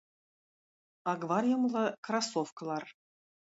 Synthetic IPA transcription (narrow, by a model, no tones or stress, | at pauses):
ɑɡvɑrʲjɤ̆mlˠɤkrasofk̆lˠɑr